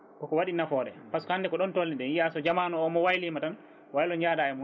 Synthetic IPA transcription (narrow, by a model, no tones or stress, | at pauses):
kɔkɔwaɗinafɔːɗɛpaskɔhandɛkɔɗɔntolːiɗɛnjiasɔd͡ʒamaːnɔːmɔwajlimatan | wajlɔɲd͡ʒaːdajamu